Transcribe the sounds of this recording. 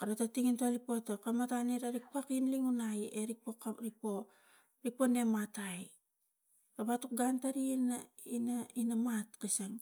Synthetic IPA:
kaɾatatiŋintalipotakamataniɾaɾik̚pakinliŋunajeɾipokaɾipo̞ | ɾipo̞ne̞mataj | abatuk̚ɡantaɾina | inainamatkisaŋ

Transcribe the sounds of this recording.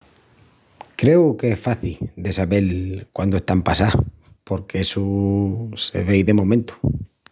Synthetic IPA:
kɾe̞wkeesfaθid̪e̞saβe̞lkwand̪oest̪ampasa | po̞ɾkeesu | se̞̰βejðe̞mõ̞mẽnt̪u̥

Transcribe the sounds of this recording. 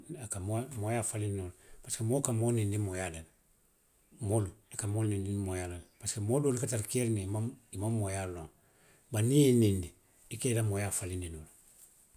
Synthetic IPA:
akamomojafalinnolpaskemokamonindimojadal | moluakamolnindinmojalalpaskemodolukataɾkeɾnimaimamːojalõŋ | banijenindi | ikelamojafalininol

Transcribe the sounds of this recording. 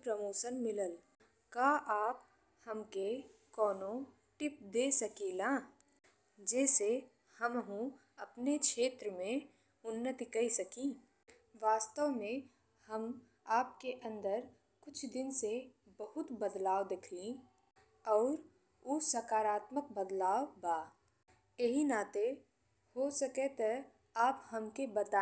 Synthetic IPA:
pɾɐmoːʃənmɪləl | kaːʔaːp | hɐmkekɔːnõ | ʈɪp̚d̪eːsɐkiːlãː | d͡ʒɛːse | hɐmɦũ | ɐpnekʃeːt̪ɾəmẽ | ʊnːət̪ikɐisɐkĩː | ʋaːst̪əʋmẽ | hɐm | aːp̚keʔɐ̃nd̪əɾ | kʊt͡ʃʰd̪ɪnsebɐɦʊt̪bəd̪laːwd̪ɪkʰlĩ | ɔːɾ | ʊsɐkaːɾaːt̪mək̚bəd̪laːbaː | eɦinaːt̪e | hosɐket̪e | aːphɐmkebɐd̪a

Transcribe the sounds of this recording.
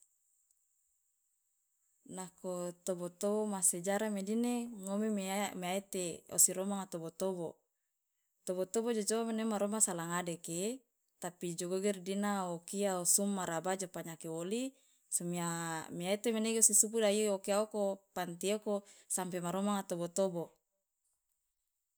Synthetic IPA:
nakot̪obot̪obomased͡ʒaɾamedineŋomememeaet̪eo̰siɾomaŋat̪obot̪obo | t̪obot̪obod͡ʒod͡ʒomenemaɾomasalaŋadeke | t̪apid͡ʒoɡoɡɛrdinaokiaosumːaɾabad͡ʒopaɲakeoli | somiamiaet̪emeneɡeosisup̬udaiokiaokopant̪iokosampemaɾomaŋat̪obot̪obo

